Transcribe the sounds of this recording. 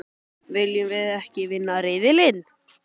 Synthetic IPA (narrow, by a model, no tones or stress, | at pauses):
vɪljʏmvɪðɛhcɪvɪnːaɾɪːðɪlɪn